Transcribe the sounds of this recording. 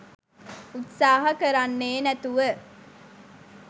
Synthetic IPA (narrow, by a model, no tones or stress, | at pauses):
ut̪saːɦɐkəɾanːeːnæt̪uʋə